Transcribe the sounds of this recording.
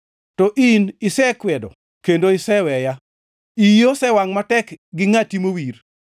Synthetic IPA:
tɔʔinɪsɛkwɛdɔ̰ | kendoɪsɛwɛja | ijosɛwaŋmatɛkɡɪŋatimowir

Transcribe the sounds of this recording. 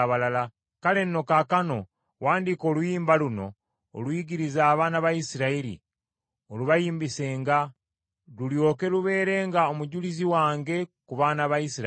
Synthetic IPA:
βalala | kale̞nːokakano̞ | waːndiko̞ːlwjiːmbaluno̞̰ː | lwiːɡiɾizaːβaːnaβajisiɾaiɾḭ | oluβajiːmbise̞ːŋɡa | luljo̞ːke̞luβe̞ːɾe̞ːŋɡao̞muɟuliziwaːŋɡe̞kuβaːnaβajisiɾ

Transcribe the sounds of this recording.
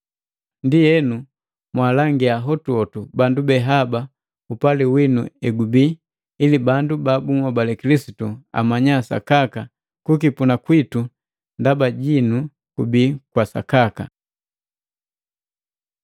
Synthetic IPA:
ndijɛnu | mwalaŋɡiaɦɔtuɔtubandubɛɦaba | upaliwinuɛɡubiː | libandubabumwabalɛkilisitua̰maɲasa̰kaka | kukipunakwitu | ndabaɟinu | kubikwasa̰kaka

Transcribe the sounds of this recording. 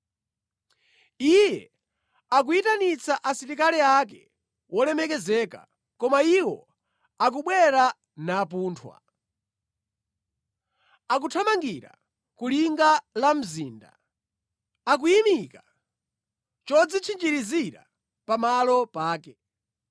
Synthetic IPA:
ijɛ̰ | ak̬uitanit͡saʔasiɾikalɛakɛ | wɔlɛmɛkɛzɛːka̰ | kɔmaiwɔ̰ | ak̬uɓwɛɾa | naːp̬uːntʰwa̰ | ak̬utʰamaŋɡiɾa̰ | kuliŋɡalam̩ziːnda̰ | ak̬ujimika | t͡ʃɔd͡zit͡ʃʰind͡ʒiɾiziɾa̰ | pamalɔpaːkɛ

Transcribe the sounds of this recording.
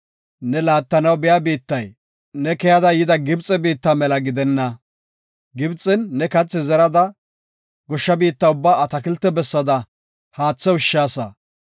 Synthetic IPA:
nɛlaːt̪ːɐnɐwbɪjabiːt̪ːɐj | nɛkɛjɐd̪ɐjɪd̪ɐɡɪbt͡sʼɛbiːt̪ːamɛlɐɡɪd̪ɛnːɐ | ɡɪbt͡sʼːɪnːɛkɐt͡sːɪzɛɾɐd̪ɐ | ɡɔʃːɐbiːt̪ːɐʊbːaːɐt̪ɐkɪlt̪ːɛbɛsːɐd̪ɐ | haːt͡sːɛwʊʃːaːsɐ̰

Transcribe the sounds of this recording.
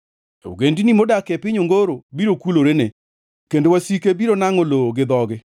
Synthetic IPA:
o̰ɡendinimodakepɪɲoŋɡoɾobiɾokuloɾene | kendowasikebiɾonaŋoloɡɪd̪ɔɡɪ

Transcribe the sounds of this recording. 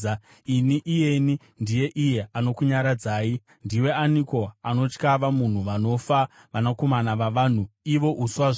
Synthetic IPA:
iniʔije̞ni | ndije̞ʔije̞ano̞kuɲaɾad͡zaːi | ndiwe̞aniko̞ano̞t͡ʃkaʋamun̤uʋano̞fa | ʋanako̞manaʋaʋaːn̤uiʋo̞ʔuswaʐ

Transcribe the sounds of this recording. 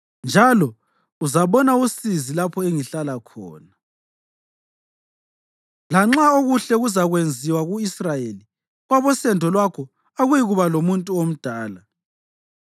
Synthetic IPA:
nd͡ʒʱalɔ | uzaβɔnausizilapʰɔeŋiɬalakʰɔ̰ːna | laŋ͡ǁaoɣuɬɛɣuzaɣwend͡zʱiwaɣuisrajeli | ɣwaβɔsɛndʱɔlwakʰɔ | aɣujiɣuβalomuntʼuom̩d̥ʱaːla

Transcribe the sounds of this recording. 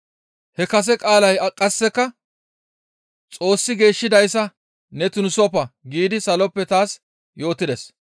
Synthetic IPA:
hɛkɐs̬ɛkʼaːlɐjɐkʼːɐsːɛkːɐ | t͡sʼo̞ːsːɪɡe̞ːʃːɪd̪ɐjsːɐ | nɛt̪ʊnsɔpɐɡiːd̪ɪsɐlɔpːɛt̪aːs | jo̞ːt̪ːɪd̪ɛs

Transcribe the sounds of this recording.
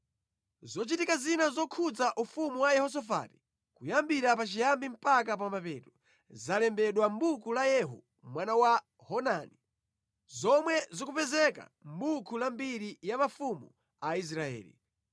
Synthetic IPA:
zɔt͡ʃitikazinazɔkʰud͡zaʔufumuwajɛhɔs̬ɔfa̰ti̥ | kujambiɾapat͡ʃijambim̩pak̬ap̬ambapɛtu | zalɛmbɛɗwambukulajɛɦṵ | mwanawa | hɔnani | zɔmwɛzɔkupɛzɛka̰mbukʰulambiɾijamafumu | ais̬ɾaɛ̰ːlḭ

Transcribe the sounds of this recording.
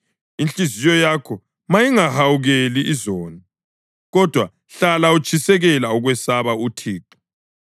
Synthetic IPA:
int͡ɬʼizijɔjakʰɔ | majiŋahawuɣeliːzɔːni | ɣɔd̥ʱwa | ɬalaut͡ʃʰʼisɛɣɛlauɣwɛsaβautʰiːǃi̥

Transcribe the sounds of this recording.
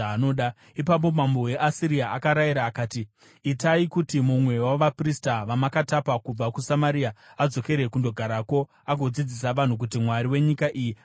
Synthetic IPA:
anoːɗa | ipap̬o̞mambo̞we̞ʔasiɾiaakaɾajiɾaːkaːtiː | taikutimumwe̞waʋapristaʋamakatapakub͡vakusamaɾiaad͡zo̞ke̞ɾe̞kundo̞ɡʱaɾako̞ | aɡʱo̞d͡zid͡zisaʋan̤uk̬utimwaɾiwe̞ɲikaʔiji

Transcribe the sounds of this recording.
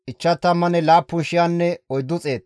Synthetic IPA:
ʔɪt͡ʃːɐt̪ːɐmːɐnɛlaːpːʊnʃɪjaːnːɛɔjd̪ːʊt͡sʼe̞ːt̪

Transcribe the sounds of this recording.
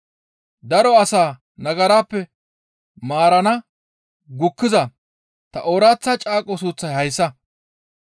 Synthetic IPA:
d̪ɐɾɔɐsaː | nɐɡɐɾaːpːɛ | maːɾɐnɐ | ɡʊkːɪzɐ | t̪ɐʔoːɾaːt͡sːɐt͡ʃʼaːkʼːɔs̬uːt͡sːɐjhɐjsːɐ

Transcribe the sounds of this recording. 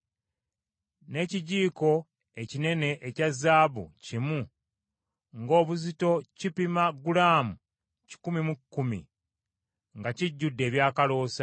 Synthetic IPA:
ne̞ːciɟiːko̞ | e̞cine̞ne̞ʔecazːaːβṵcimu | ŋɡo̞ːβuzito̞cipimaɡulaːmu | ci̥kumimukːumḭ | ŋɡaciɟːudːe̞ːβjaːkalo̞ːsa

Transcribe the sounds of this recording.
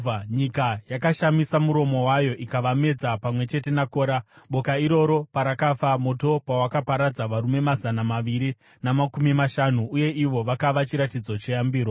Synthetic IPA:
ɲikajakaʃamisamuɾo̞mo̞wajo̞ʔikaʋame̞d͡zapamwe̞t͡ʃe̞te̞nako̞ːɾaɓo̞kaiɾo̞ɾo̞paɾakafamo̞to̞pawakapaɾad͡zaʋaɾume̞mazanamaʋiɾi | namakumimaʃanuuje̞ʔiʋo̞ʋakaʋat͡ʃiɾatid͡zo̞t͡ʃe̞jambiːɾo

